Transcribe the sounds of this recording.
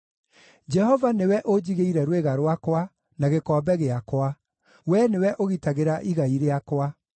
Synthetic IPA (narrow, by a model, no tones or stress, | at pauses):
d͡ʒɛhɔvanewɛʔod͡ʑiɣeiɾɛɾweɣaɾwakwa | naɣekɔbɛɣeakwa | wɛnewɛʔoɣitaɣeɾaʔiɣaiɾeakwa